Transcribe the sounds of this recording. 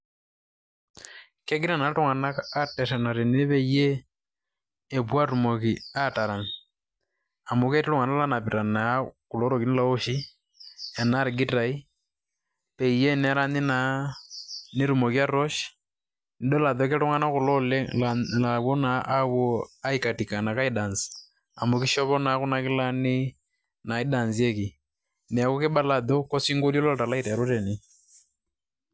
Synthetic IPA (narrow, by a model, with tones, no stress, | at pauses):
ke˦ɡɪ˦ɾa˦˨na˨˦tʊ˦ŋa˨na˦ka˦tɛ˨ʃa˨na˨ɾe˨ni˦e˦pe˦i˦je˦˨ | pwa˦ɾu˨mo˨ki˨a˦ta˨ɾa˨ŋ | a˨mo˨˦ke˦ti˦ɾʊ˦ŋa˨na˦la˦na˨pi˨ɾa˨na˨ku˨lo˨˦ɾo˨ki˨ni˦la˦o˦ʃi˦ | ɛ˨na˦ɾɪ˨ɡi˦ta˨i˦ | pe˨i˨je˦nɛ˦ɾa˦ni˦na˨˦ | ne˦ɾu˨mɔ˨kja˦ɾɔ˦ʃ | ni˨ɗɔ˦la˨ðɔkeɾɔ˦ŋa˦na˦ku˨lɔlɛllaβɔ˦na˨ʔːwɔ˦a˦ika˨ti˨ka˨na˨ka˦ida˨ns | a̰˨mo˨kiʃɔ˦βɔ˦na˦ku˦na˨kɪ˦la˦nɪ˦ | na˨i˦da˨nziɛ˦ki˨ | nɛ˨a˨kɔ˦kɪ˦ɓa˦la˨ðɔ˦kɔ˦siŋɡo˦ljɔ˦lɔ˦˨ta˨la˦i˦ɾa˨ɾu˦tɛ˨ni˦